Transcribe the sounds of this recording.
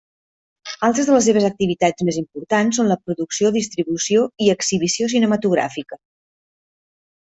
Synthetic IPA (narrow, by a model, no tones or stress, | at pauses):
alˠt̪ɾəzðələs̬eβ̞əzək̚t̪iβit̪ad͡zmezimpuɾt̪ansonləpɾuðuksioðist̪ɾiβusioiəksiβisios̬inəmət̪uɣ̞ɾa̰fikə